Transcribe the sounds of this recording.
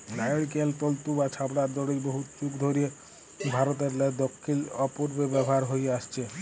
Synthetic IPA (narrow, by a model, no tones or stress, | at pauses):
najɽkelt̪olt̪ubat͡ʃʰabɽaɾd̪ɔɽejboɦut͡ʃukd̪ʱoɾie | bʱaɾɔt̪̬eɾled̪ɔkʰːilɔpuɾbebɛbʱɦaɾɦojast͡ʃʰe